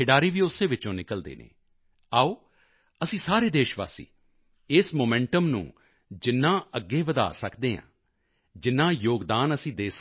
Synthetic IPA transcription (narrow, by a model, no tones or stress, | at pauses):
ɪɖaːɾiːʋiːʊsːeːʋɪt͡ʃõːnɪkəld̪ḛːnḛ̃ː | aːoː | əsĩːsaːɾeːd̪eːʃʋa̰ːsḭː | ɪsmoːmɛ̃ːɳʈəmnṵ̃ː | d͡ʒɪnːãːəɡːeːʋəd̪a̰ːsəkd̪eːɦã̰ː | d͡ʒɪnːãːjoːɡd̪aːnəsĩːd̪eːs